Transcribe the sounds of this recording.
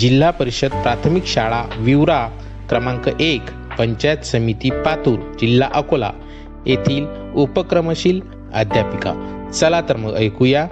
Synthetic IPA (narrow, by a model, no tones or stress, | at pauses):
d͡ʑilːapəɾiɕəd̪̚pɾat̪ʰmikɕaɭaʋiwɾa | kɾəmãŋkəʔek | pəɲt͡ɕat̪səmit̪ipat̪uːɾd͡ʑilːaʔəkola̰ | jet̪ʰiːl | upəkɾəməɕiːl | a̰d̪ʱjapika̰ | t͡səlat̪əɾməəjkuja